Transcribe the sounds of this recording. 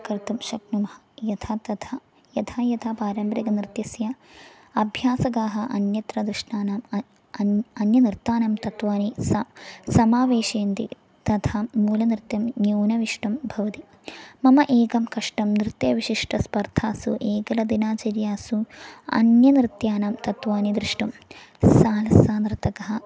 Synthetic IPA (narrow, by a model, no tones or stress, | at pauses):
kɾt̪ɐmʃɐknumɐhɐ | jɐt̪ʰaːt̪ɐt̪ʰɐ | jɐt̪ʰaːjɐt̪ʰaːpaːɾɐmbɾɐɡɐnɾɨt̪jɐsjɐ | ɐbʱjaːsɐɡaːɦɐ̆ʔɐnjɐt̪ɾɐd̪ɾɨʂɳaːnaːm | ɐnjɐnɾt̪aːnɐmt̪ɐt̪ʋaːnisɐsɐmaːʋeːʃeːnt̪ḭ | t̪ɐt̪ʰaːuːlɐnɾɨt̪jɐmnjuːnɐʋiʂʈɐmbʱɐʋɐt̪i | mɐmɐʔeːkɐmkɐʂʈɐmnɾɨt̪jɐʋiʂiʂʈʰɐspɐɾt̪ʰaːsṵʔeːkɐlɐd̪inaːt͡ʃɐɾjaːsuɐ̰njɐnɾɪt̪jaːnaːmt̪ɐt̪ʋaːnid̪ɾiʂʈɐm | saːlɐsaːnɾt̪ɐkɐɦɐ̆